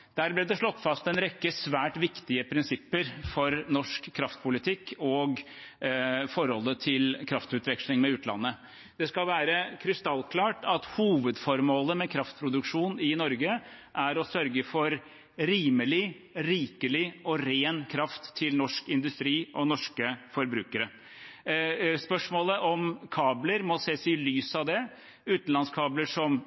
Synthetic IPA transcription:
d̪̥æːɾblɛd̪ɛʂɭɔt̪ːfɑst̪ɛnɾɛkːəsʋæːʈʋɪkt̪ɪəpʰɾɪnsɪpːəɾfɔɾnɔʂkʰːɾɑft̪̚pʊlɪt̪ʰɪkːɔɡ | fɔɾɔlːət̪ʰɪlkʰɾɑft̪ʉːt̪ʋɛkʂlɪŋmɛʉːt̪lɑ̰nːə | d̪̥ɛskɑlʋæːɾəkʰɾɪst̪ɑlːkʰlɑːʈɑt̪huːʋəd̪fɔɾmoːləmɛkʰɾɑft̪̚pʰɾʊd̪ʉkʂuːnɪnɔɾɡə | ʔæɾɔsœɾɡəfɔɾ | ɾiːməlɪ | ɾiːkəlɪɔɾeːnkʰɾɑft̪ʰːɪlnɔʂkɪnd̪ʉst̪ɾiːʔɔnɔʂkəfɔɾbɾʉːkəɾə | spœʂmoːləʔɔmkʰɑːbləɾmɔseːsɪlyːsɑʋd̪ɛ | ʉːt̪n̩lɑnskʰɑːbləʂɔm

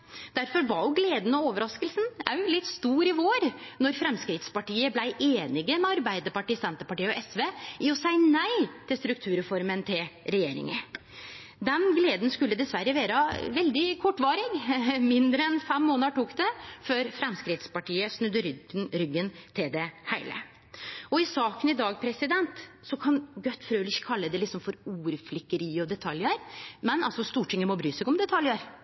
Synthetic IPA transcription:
d̪̥æɾfɔɾʋɑɾjʊɡleːd̪n̩ɔoːʋəɾɑskəlsnæ̰lɪt̪ːst̪uːɾɪʋoːɾnɔɾfɾɛmskɾɪt̪spɑʈiːəblæɪʔeːnɪɡəmɛɑɾbæɪd̪əɾpɑʈiːsɛnt̪əpɑʈiːəɔʔɛsʋeːʔɪɔsæɪnæɪt̪ʰɪlst̪ɾʉk̚t̪ʰʉːɾfɔɾmənt̪ʰɪlɾɛjeːɾɪ̰ŋə | d̪ɛnɡleːd̪nskʉlːəd̪ɛsʋæɾəʋeːɾəʋɛld̪ɪkʰɔʈːʋɑːɾɪɡmɪnd̪ɾəɛnfɛmːoːnəʈuːkd̪ɛføːɾfɾɛmskɾɪt̪spɑʈiːəsnʉd̪ːəɾɾʏɡːənt̪ʰɪld̪ɛhæɪlə̰ | ɔɪsɑːkənɪd̪ɑːɡpʰɾɛsɪd̪ɛnt̪ | sɔkʰɑnɡœt̪ːfɾøːlɪçːə̥kʰɑlːəd̪ɛlɪksɔmfɔɾuːɾflɪkːəɾiːɔd̪ɛt̪ʰɑljəɾmɛnɑlsɔst̪uːʈɪŋːəmɔbɾyːsɛɡɔmd̪ɛt̪ʰɑljəɾ

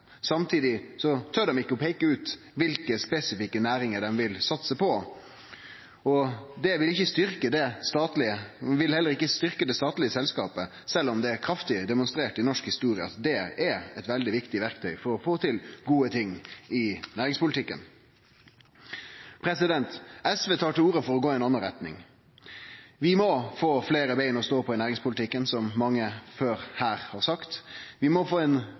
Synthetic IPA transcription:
sɑmt̪ʰiːd̪ɪsɔt̪ʰøɖɛmɪkːəɔpʰɛɪkəʉːt̪ | ʋɪlkəspɛsɪfɪkːənæːɾɪŋəɖ̪ɛmʋɪlsɑt̪səpʰɔ | ɔd̪ɛʋɪlɪçːəst̪ʏɾkəd̪ɛst̪ɑːt̪lɪəʋɪlhɛlːəɾɪkːəst̪ʏʁkəd̪ɛst̪ɑːt̪lɪəsɛlskɑːpə | sɛlːɔmd̪ɛæɾkʰɾɑft̪ɪd̪ɛmʊnst̪ɾeːʈɪnɔʂkhɪst̪uːɾɪə̰ɑ̰t̪d̪ɛæɾɛt̪ʋɛld̪ɪʋɪkt̪ɪʋæʁkt̪ʰœʏfɔɾɔfoːt̪ʰɪlɡuːət̪ʰɪŋːɪnæːɾɪŋspʊlɪt̪ʰɪkːə̰n | pʰɾɛsɪd̪ɛnt̪ɛsʋeːt̪ʰɑːʈɪluːɾəfɔɾɔɡoːɪɛnɑnːəɾɛt̪nɪ̰ŋ | ʋɪmɔfoːfleːɾəbeɪnɔst̪oːpʰɔnæːɾɪŋspʊlt̪ɪkːənsɔmmɑŋːəføːɾhæːɾhɑʁsɑkt̪ʋɪmɔfoːɛn

